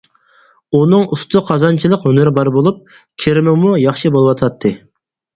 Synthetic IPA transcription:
unɨŋust̪ʊqʰɑzɑnt͡ʃʰilˠəqønɪɾbɑɾbolˠup̚ | kʲʰeɾɪmɪmujɑχʃɨbolˠɨwɑt̪ʰɑt̪ʰːɨ

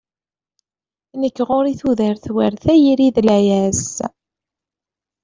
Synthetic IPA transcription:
nəkːʁʊɾiθuðəɾθwæɾθæjiɾiðlæjæs

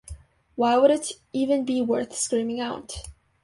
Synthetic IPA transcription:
waɪwəɾɨɾ | ivɨ̃nbiwɜ˞θskɹĩmɪ̃ŋaʊt

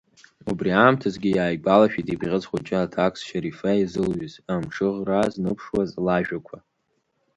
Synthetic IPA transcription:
ubriaːmtʰazɡʲɪjaːjɡalaʃᶣitʼibʁʲɪzχʷʊt͡ʃʼɪatʰakʼsʃaɾifaizɨlɥʏzamʈ͡ʂʰɨʁraznɨpʰʂwazlaʒᶣakʷʰa

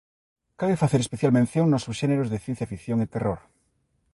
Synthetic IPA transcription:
kaβefaθeɾespeθjalmẽnθjoŋnosusʃeneɾozðeθjen̟θjafikθjoŋet̪eroɾ

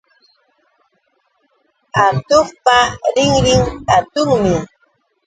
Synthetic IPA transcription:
at̪ʊχpaɾɪŋɾɪŋat̪ʊŋmɪ

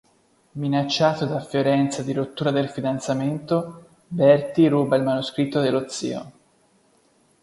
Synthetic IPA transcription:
minat͡ʃːaːt̪od̪afjoɾɛnt̪sad̪iɾot̪ːuːɾad̪elfid̪ant̪sament̪o | bɛrt̪iɾuːbailmanuskɾit̪ːod̪elːot̪sːḭːo̰

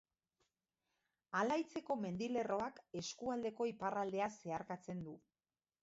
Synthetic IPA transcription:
alajt͡se̞ko̞me̞nd̪ile̞ro̞ake̞skuald̪e̞ko̞iparald̪e̞ase̞aɾkat͡se̞nd̪u

